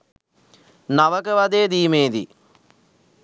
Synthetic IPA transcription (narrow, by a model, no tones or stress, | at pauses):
naʋəkəʋad̪eːd̪iːmeːd̪ḭ